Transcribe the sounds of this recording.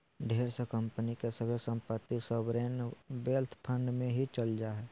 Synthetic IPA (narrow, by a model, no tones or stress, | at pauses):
ɖʱeːɾsekə̃mpənikesəbʱesə̃mpət̪ːisəbɾeːnbeːlt̪ʰpʰə̃ɳɖmẽɦit͡ʃəld͡ʒaːɦɛː